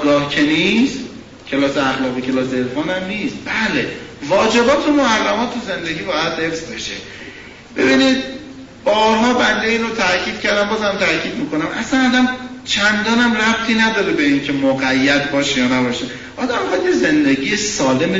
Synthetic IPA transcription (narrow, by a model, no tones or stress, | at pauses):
ɡɒːhcʰe̞niːst̪ | cʰe̞lɒːseæxlɒːɣiːcʰe̞lɒːs̬eelfɒːnæmniːst̪̚b̥æːlevɒːd͡ʒe̞bɒːt̪ʰumohærːæmɒːt̪ʰːuze̞nd̪e̞ɡʲiːbɒːjæd̪he̞fz̥be̞ʃe | b̥e̞̰biniːd̪̚ | b̥ɒːɾɦɒːbænd̪eiːnot̪ʰæcʰiːd̪̥cʰæɾd̪æmbɒːzhæmt̪ʰæɾcʰiːd̪̚miːko̞næmʔæ̰sænɒːd̪æmt͡ʃʰænd̪ɒːnæmræb̚t̪ʰiːnæd̪ɒːɾebeiːŋcʰe̞moɣæjːæd̪bɒːʃejɒːnæbɒːʃe | ʔɒːd̪æmbexæd̪jeze̞nd̪eɡijesɒːle̞me